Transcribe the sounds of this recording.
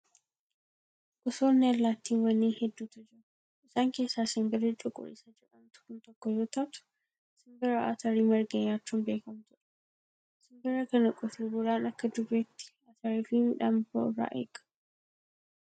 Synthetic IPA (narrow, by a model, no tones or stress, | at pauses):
kʼʊsoːnːɛɐlːaːt̪ːiːnwɐnːiːhɛd̪ːuːt̪ɐd͡ʒɪɾ | ɪsaːŋke̞ːsːaːsɪŋɡɐɾɛt͡ʃʼʊkʼʊ̰ɾɪ̰sɐd͡ʒɛᶑɐmt̪ʊ̥kʊnt̪ɔkːɔd͡ʒɔt̪ɐt̪ʊ̥ | sɪŋbɐɾoʔɐ̰t̪ɐɾiːmɐɾɡɐɲːaːt͡ʃːʊnbe̞ːkɐmt̪ɔᶑɐ̥ | sɪŋɡɐɾɐkɐnɐkʼɔt̪ɪbʊɾaːnɐkːɐd̪ʊbeːt̪ːɪ̥ | ɐt̪ɐɾiːfɪmɪᶑambo̰rːa̰ːʔḛːkʼɐ̥